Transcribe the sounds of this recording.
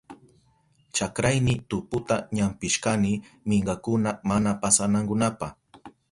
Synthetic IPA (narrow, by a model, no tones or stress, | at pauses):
t͡ʃakɾajnɪt̪ʊpʊt̪aɲampɪʃkanɪmɪɴɢɑkʊnamanapasanaŋkʊnapɑχ